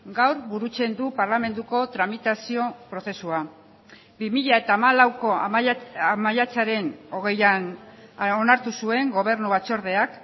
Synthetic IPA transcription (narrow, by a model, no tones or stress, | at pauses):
ɡawɾβuɾut͡se̞nd̪upaɾlame̞nd̪uko̞t̪ɾamit̪asio̞pɾose̞sua | bimiʎae̞t̪aːmalawko̞ | amaʎat͡saɾe̞no̞ɣ̞e̞jan | onaɾt̪usue̞ŋɡo̞β̞e̞rnuβat͡ʃo̞ɾð̞e̞ak